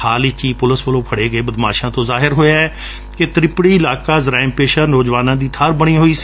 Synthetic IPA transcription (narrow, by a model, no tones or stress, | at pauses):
aːlɪt͡ʃiːpʊləsʋəlõːpʰəɽeːɡəeːbəd̪maːʃãːt̪õːzaːɦɪɾɦoːjaːɛː | ket̪ɾɪpɽiːɪlaːkaːzɾãːɪmpeːʃəɾnoːd͡ʒʋaːnãːd̪iːt̪ʰaːɾbəɽ̃ĩːɦoːiːs